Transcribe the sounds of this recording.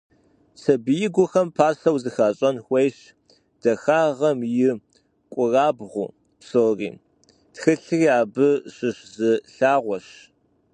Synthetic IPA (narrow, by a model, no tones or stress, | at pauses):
sʰɐbɨjɪɡʷʊxɐmpʰaːsɐwzɨxaːɕʼɐnxʷejɕ | d̥ɐxaːʁɐmjɪ | kʷʼʊraːbʁʷṵː | psoːrḭː | txɨɬɨriːaːbɨɕɪɕzɨɬaːʁʷɔɕ